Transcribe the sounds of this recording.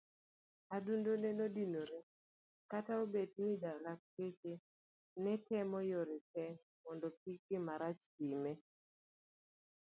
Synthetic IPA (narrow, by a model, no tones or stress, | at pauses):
adundonenodinoɾe | kataobet̚nɪd͡ʒalak̚ket͡ʃe | nɛtɛmɔjoɾekɛ | mɔndɔpikɪmaɾat͡ʃtime